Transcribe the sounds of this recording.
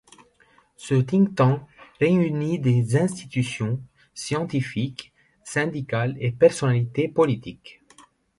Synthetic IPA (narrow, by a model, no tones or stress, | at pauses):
sət̪ĩŋt̪ɑ̃ʁeynid̪ezɛ̃st̪it̪ysjɔ̃ | sjɑ̃t̪ifik | sɛ̃d̪ikalepɛʁsɔnalit̪epɔlit̪ik